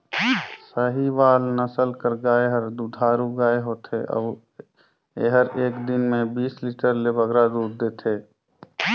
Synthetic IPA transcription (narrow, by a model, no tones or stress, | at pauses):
səɦiʋaːlnəsəlkəɾɡaːeɦəɾd̪ud̪ʱaːɾuɡaːeɦoːt̪ʰeʔɔ̰ː | ḛɦəɾeːkd̪ɪnmẽbiːsliːʈəɾlebəɡɾad̪uːɾd̪eːt̪ʰeː